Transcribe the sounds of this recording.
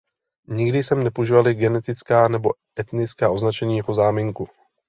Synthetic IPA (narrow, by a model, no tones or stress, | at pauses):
ɲɪɡdɪsɛmnɛpoʒiːvalɪɡɛnɛt̪ɪt͡skaːnɛbo̞ | ɛt̪nɪt͡skaːʔo̞znat͡ʃɛɲiːjako̞zaːmɪŋku